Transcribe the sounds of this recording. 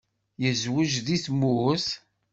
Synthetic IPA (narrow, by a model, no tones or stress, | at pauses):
jəzwəʒðiθmuθ